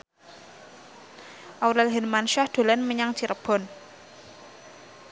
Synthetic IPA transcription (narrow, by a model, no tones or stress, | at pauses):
ʔawɾɛlɦinmanʃahd̪̥o̤lɛnməɲaŋt͡ʃiɾəb̥ɔ̤n